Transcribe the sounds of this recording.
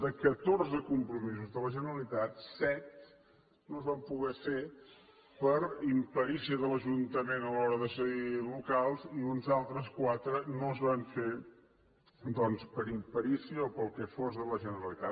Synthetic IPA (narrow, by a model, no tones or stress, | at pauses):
d̪əkət̪orzəkumpɾumizuzðələʒənəɾəlit̪at̪sɛt̪ | noəzβampuɣɛfe | pəɾimpəɾisiəðələʒunt̪əmenəlɔɾəðəsəɣilukalˠziunzalˠt̪ɾəskwat̪ɾənoəzβaɱfe | d̪ɔnspəɾimpəɾisiəɔpəlˠkɛfozðələʒənəɾəlit̪a